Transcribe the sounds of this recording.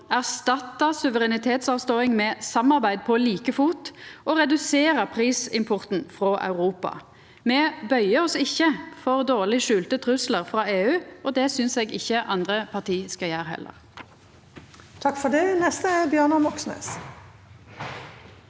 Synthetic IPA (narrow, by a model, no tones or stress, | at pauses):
æʁst̪ɑt̪ːəsʉʋəʁɛnɪt̪ʰeːt̪sɑːʋst̪oːɪŋmɛːsɑmːɑʁbæɪd̪̚pʰɔliːkəfuːt̪ʔɔʁɛd̪ʉseːɾəpʰʁiːsɪmpʰɔʁt̪n̩fɾoːʔɑ̰ʉʁuːpɑ̰ | mɛːbœʏəɔsɪçːəfɔʁd̪oːʁlɪʃʉːlt̪ət̪ʰʁʉsləʁfʁɑːeːʉːʔɔd̪ɛsʏnsɛːɡɪçːəʔɑnd̪ʁəpʰɑʁt̪ʰiːskɑjæːɾɦɛ̰lʔə̰ʁ | t̪ʰɑkfɔɖɛnɛst̪əæbjœːɳʊmɔksnḛːs